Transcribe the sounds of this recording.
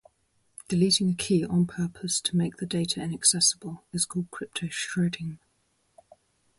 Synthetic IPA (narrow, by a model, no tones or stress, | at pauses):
d̥ɪliˑtɪ̃ŋəkʰiːʔə̃npʰɜˑpʰəstʰəmeɪk̚ðədeɪtʰəɪ̃nəksɛsəb̥əlɪz̥kʰɔːlˠd̚kʰɹ̥ɪp̚tʰəʊʃɹɛdɪ̃ŋ